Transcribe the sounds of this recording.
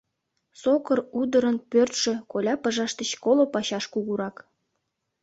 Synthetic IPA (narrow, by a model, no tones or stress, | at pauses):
sokərud̪əɾə̆npørt̪ʃĕkolʲɑpəʒɑʃt̪ə̆t͡ɕkolopɑɕɑʃkuɣuɾɑk